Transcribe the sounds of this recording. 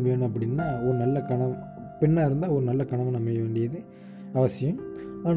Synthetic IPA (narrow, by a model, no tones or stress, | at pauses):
ʋeːnɯ̃ɐpːɐɽɪnːaːɔɾɯnɐlːɐkɐɳɐm | pɪɳːaːɪɾɯnd̪aːɔɾɯnɐlːɐkɐɳɐmɐ̃nɐmːɐʋeːɳɖɪjɐðɯ | ɐʋɐsɪjɐmaːn